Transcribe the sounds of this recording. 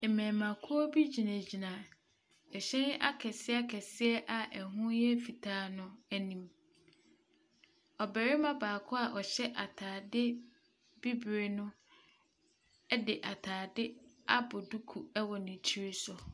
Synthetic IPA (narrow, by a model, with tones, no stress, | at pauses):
ɛ˨mɛ̃ː˨mã˨kʰʊ˦ɔ˦bi˦d͡ʑi˨nã˨d͡ʑi˨nã˨ | ɛ˨ɕɛ̃˦n˦ʔa˦kʰɛ˨sɪ˦a˦kʰɛ˨sɪ˦ɛ˦ʔa˨ʔɛ˨ɦʊ̃˦jɛ˦fi˨tʰaː˦˨nʊ̃˦æ˨nĩ˨m | ɔ˨bɛ˨ɾɪ˦mã˦baː˨kʰʊ˦a˨ʔɔ˨ɕɛ˦ʔa˨tʰaː˨dɪ˦ | b̥i˦bɾe˨nʊ̃˦ | dɪ˨ʔa˨tʰaː˨dɪ˦a˦bʊ˨du˦kʰu˨ɛ˦wɔ˨nɪ̃˨tʰi˦ɾe˦sʊ˨